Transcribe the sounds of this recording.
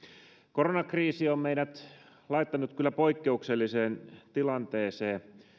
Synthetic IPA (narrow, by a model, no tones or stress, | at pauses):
koronɑkriːsiommeiɾæt̪ | lɑit̪ːɑnut̪kylːæpoikːeukselːiseːnt̪ilɑnt̪eːseː